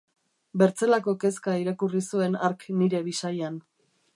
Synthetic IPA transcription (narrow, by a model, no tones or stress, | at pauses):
be̞ɾt͡se̞lako̞ke̞skaiɾakurisue̞naɾkniɾe̞βisajan